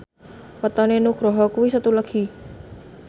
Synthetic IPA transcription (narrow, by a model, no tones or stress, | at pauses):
pət̪ɔnenukɾɔɦɔkuwisət̪uləɡ̥i